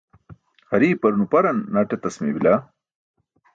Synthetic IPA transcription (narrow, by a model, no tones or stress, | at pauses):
hɐɾiːpɐɾunupɐɾɐnːɐʈɐt̪ɐsmḭbila